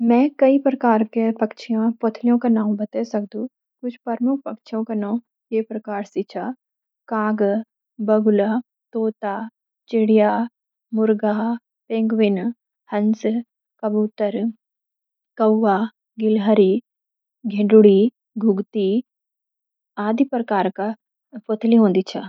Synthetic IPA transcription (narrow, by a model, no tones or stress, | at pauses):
mɛ̃ːkɐipɾɐkaːɾkepɐkt͡ʃʰijãpot̪ʰlijõkanaːũbɐt̪esɐk̚d̪ũ | kʊt͡ʃʰpɐɾmʊk̚ʰpɐkt͡ʃʰijõkanaːũ | jepɾɐkaːɾsit͡ʃʰaː | kãːɡ | bɐɡʊla | t̪oːt̪aː | t͡ʃɪɽijaː | mʊɾɡaː | pẽːŋɡʋɪn | hɐns | kɐbuːt̪əɾ | kɐwːaː | ɡɪlɦəɾi | ɡʱẽɖʊɽi | ɡʱʊɡt̪i | aːd̪ipɾəkaːɾka | pot̪ʰliɦõːnd̪it͡ʃʰa